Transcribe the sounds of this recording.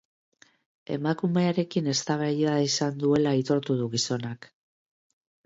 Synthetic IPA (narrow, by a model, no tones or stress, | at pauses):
e̞makume̞aɾe̞kine̞st̪aβajaisand̪ue̞lait̪o̞ɾt̪uð̞uɣiso̞nak